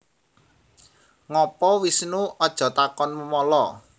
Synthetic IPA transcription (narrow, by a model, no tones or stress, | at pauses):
ŋɔpɔwisnuɔd̥ʒ̥ɔ̤t̪akɔnməmɔlɔ